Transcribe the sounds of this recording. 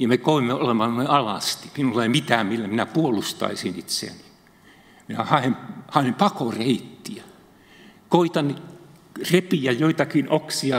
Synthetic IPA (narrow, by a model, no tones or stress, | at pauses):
jɑmekoimːeolemːɑnnoiɑlɑst̪i̥minulːɑeimit̪æːmmilːæminæpuolust̪ɑ̰isinit̪sḛæ̰ni̥ | minæhɑhemhɑempɑkoreit̪ːiæ | koit̪ɑnːi | repijæjoit̪ɑkinoksiɑ